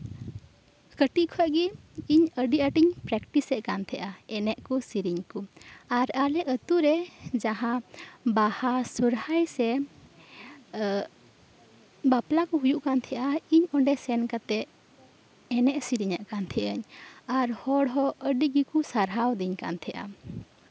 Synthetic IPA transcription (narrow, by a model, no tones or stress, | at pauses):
kəʈiʔkʰɔɛʔɡɛ | iɲəɖiʔəʈiɲpɾɛkʈisɛʔkant̪ʰɛʔaɛnɛʔkɔsiɾiɲkuaɾalɛʔət̪uɾɛd͡ʒaɦãbahasuɾhajsɛ | baplakɔɦujuʔkant̪ʰɛʔaiɲɔɳɖɛsɛnkat̪ɛ | ɛnɛʔsiɾiɲaʔkant̪ʰɛʔəɲaɾhɔɽɦɔəɖiɡikusaɾɦawd̪iɲka̰nt̪ʰɛʔa̰